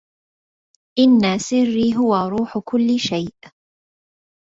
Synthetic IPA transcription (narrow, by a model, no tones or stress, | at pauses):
ʔɪnːasɪrːiːɦʊwaɾˤuːħʊkʊlːɪʃajʔ